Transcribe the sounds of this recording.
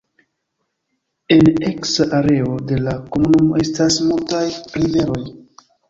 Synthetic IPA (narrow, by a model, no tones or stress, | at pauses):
e̞ne̞ksaʔaɾe̞o̞de̞lako̞munumo̞e̞stasmultajɾive̞ɾo̞j